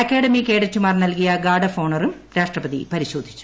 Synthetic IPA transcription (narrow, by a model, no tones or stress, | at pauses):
ɐkːeːɽɐmikeːɽɐt͡ɕːumaːrnɐlkijɐɡaːɖɐfoːɳɐrum | ɾaːʂʈrɐpɐðḭpɐɾiɕo̞ːd̪ʱi̥t͡ɕːu̥